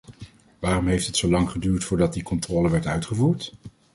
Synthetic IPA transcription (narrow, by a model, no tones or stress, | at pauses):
ʋaːrɔmɦejftətsowlɑŋχədyːɹtfʊːɹdɑt̚dikɔntrɔːləʋɛɹtœɥtχəvuːɹt